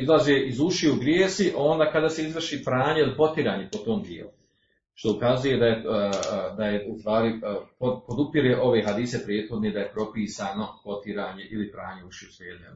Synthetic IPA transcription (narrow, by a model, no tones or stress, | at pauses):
izlˠazeːʔizuʃieuɡɾjeːsiʔo̞nd̪aːkad̪aːse̞izʋr̩ʃiːpɾaːɲeilipo̞t̪iɾaːɲe̞pot̪o̞ːmd̪jḛːlu | ʃt̪o̞ukazuje̞d̪aje | d̪ajeust̪ʋaːɾipopo̞d̪upiɾeʔo̞ʋe̞ɦad̪iːse̞pɾjeːt̪xo̞d̪ned̪ajepɾo̞piːsaːno̞po̞t̪iɾaːɲe̞ʔilipɾaːɲe̞uʃieusleːd̪a